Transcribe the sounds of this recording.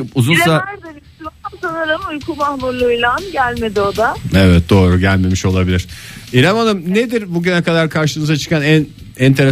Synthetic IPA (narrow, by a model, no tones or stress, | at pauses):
uzunsaæɾd̪eɾit̪imaɯmsanɯɾɯmujkʰuːmahmuɾlˠujlˠanɟælʲme̞d̪io̞d̪aevɛt̪̚d̪o̞ːɾuɟælʲme̞miʃo̞lˠabilʲiɾ̥ilʲamanɯmned̪iɾbuɟynɛkad̪aɾkʰaɾʃɯmɯzat͡ʃʰɯ̥kanæn | ɛnt̪ʰe̞ɾe